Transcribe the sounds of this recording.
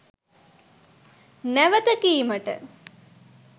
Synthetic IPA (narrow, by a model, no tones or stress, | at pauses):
næʋət̪əkiːməʈə̰